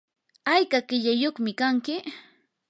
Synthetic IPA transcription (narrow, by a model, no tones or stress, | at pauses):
ajkaɢɪʎajoχmɪkaŋkɪ